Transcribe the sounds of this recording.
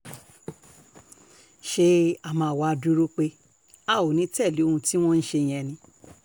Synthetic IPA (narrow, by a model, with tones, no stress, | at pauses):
ʃe˧a˨mãː˧˨wa˧du˧ɾo˦k͡pe˧˦ | a˦˨o˨nĩ˨˦tɛ˦˨li˨˦o˦hũ˧ti˦w̃ɔ̃˦n̩˦ʃe˧˨j̃ɛ̃˧nĩ˧